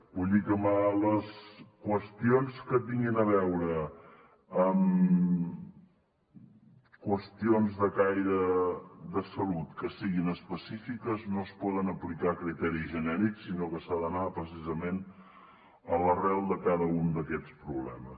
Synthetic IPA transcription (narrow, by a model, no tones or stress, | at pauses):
buʎʲikəmaləskwəst̪ionskət̪̚biŋɡinəβɛwɾəː | m | kwəst̪ionzðəkajɾəd̪əsəlut̪kəsiɣinəspəsifikəznospɔðənəplikakɾit̪ɛɾiʒənɛɾiksinokəsaðənapɾəsizəmen | ələrɛlˠd̪əkaðəund̪əkɛt͡spɾuβlɛ̰məs